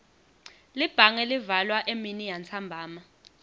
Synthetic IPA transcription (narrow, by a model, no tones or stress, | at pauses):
lib̥ʱaŋɛlivalwaʔeminijant͡sʰambʱaːma